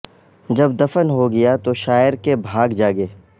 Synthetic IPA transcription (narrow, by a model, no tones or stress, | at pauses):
d͡ʒɐbd̪ɐfənɦoɡɐjat̪oʃaːjɪəɾkebʱaːɡd͡ʒaːɡeː